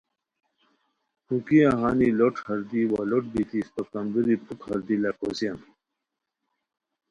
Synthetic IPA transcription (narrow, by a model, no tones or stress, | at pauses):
hukiaɦaːniloʈhɐɾd̪iwaːloʈbit̪ispɐkɐmd̪uɾipukhɐɾd̪ilakosijan